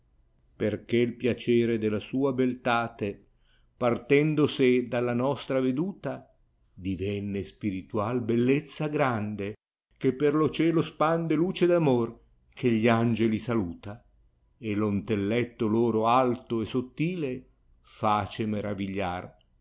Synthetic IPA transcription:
perkeilpjat͡ʃɛːɾed̪elasuːabelt̪aːt̪e | part̪ɛnd̪osed̪alːanɔst̪ɾaved̪uːt̪a | d̪ivɛnːespiɾit̪ualbelːet̪sːaɡɾand̪e | kepːerlot͡ʃɛːlospand̪eluːt͡ʃed̪amor | kʰeʎiand͡ʒelisaluːt̪a | elont̪elːɛt̪ːoloːɾoalt̪oesot̪ːiːle | faːt͡ʃemeɾaviʎːa̰r

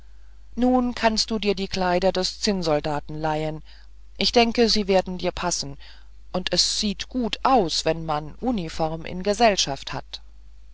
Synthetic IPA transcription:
nuːnkʰanst̚d̥uːdiːɐdiːkʰl̥aɪdɐdɛst͡sɪnzɔldaːtn̩laɪən | ʔɪçd̥ɛŋkəziːveːɐdn̩diːɐpʰasn̩ | ʔʊntɛsz̥iːtɡ̥uːtʰʔaʊsv̥ɛnmanʔuːnifɔʁmʔɪ̰nɡəzɛlʃaftha̰t

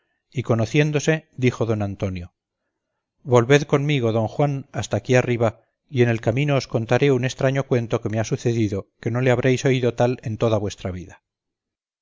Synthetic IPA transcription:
iko̞noθje̞nd̪o̞se̞d̪ixo̞ðo̞nant̪o̞njo̞ | βo̞lβe̞ðko̞nmiɣ̞o̞ðo̞ŋxwanast̪akiariβa | ie̞ne̞lkamĩnoːsko̞nt̪aɾe̞une̞st̪ɾaɲo̞kwe̞nt̪o̞ke̞measuθe̞ðiðo̞ke̞no̞le̞aβ̞ɾejso̞iðo̞t̪ale̞nt̪o̞ðaβwe̞st̪ɾaβ̞iða

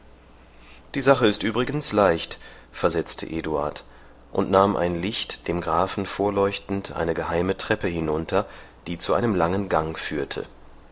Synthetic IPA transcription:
d̥iːzaχəɪstʔyːbʁɪɡən̩slaɪçt | fɛɐzɛt͡stʰə̰ʔeːdua̰ɐt | ʔʊntnaːmʔa̰ɪnlɪçtd̥eːmɡʁaːfn̩foːɐlɔʏçtn̩tʔa̰ɪnəɡəhaɪmətʁ̥ɛpəhɪnʊntʰɐd̥iːt͡suʔaɪnəmlaŋənɡaŋfyːɐtʰə̰

